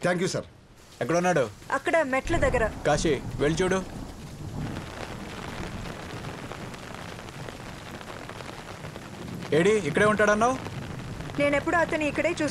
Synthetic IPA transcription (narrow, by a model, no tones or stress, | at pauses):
t̪ʰaːŋkjusɐ̰ɾ | ɛkːɐɽunːaːɽuɐkːɐɽɐmɛʈlɐd̪ɐɡːɐɾɐkaːʃiʋeɭit͡ʃuːɽu | eːɽiikːɐɽeːuɳʈaːɽɐnːaw | ne̞ːnepːuɽuɐt̪ɐnuikːɐɽe̞ːt͡ʃuːs